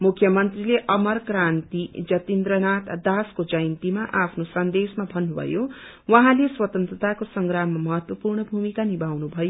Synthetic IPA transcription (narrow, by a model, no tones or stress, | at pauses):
mukʰjʌmʌnt̪rileʔʌmʌrkɾant̪id͡zʌt̪ind̪ɾʌnat̪d̪askod͡zʌjnt̪imaʔapʰnosʌnd̪esmabʱʌnːubʱʌ̰jo | wʌɦãleswʌt̪ʌnt̪ɾrʌt̪akosʌŋɡɾamːamʌɦʌt̪wʌpurɳʌbʱumikanibʱawnubʱʌjo